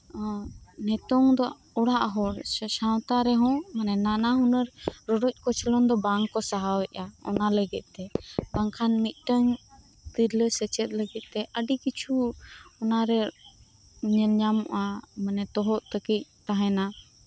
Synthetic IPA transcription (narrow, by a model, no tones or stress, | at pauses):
nɛt̪ɔŋd̪ɔ | ɔɽaʔɦɔɾsaw̃t̪aɾɛɦɔ̃manɛnanaɦunəɾɾɔɖɔc̚ˀkɔt͡ʃʰɛlɔnd̪ɔbaŋɔsaɦawɛʔaɔ̰naləɡɛt̪̚ˀt̪ɛbaŋkʰanmit̪̚ˀʈəɲ | t̪iɾləsɛt͡ʃɛt̪̚ˀləɡɛt̪̚ˀt̪ɛʔəɖikit͡ʃʰuɔnaɾɛ | ɲɛlɲamɔʔamənɛt̪ɔɦɔʔt̪əkic̚t̪aɦɛna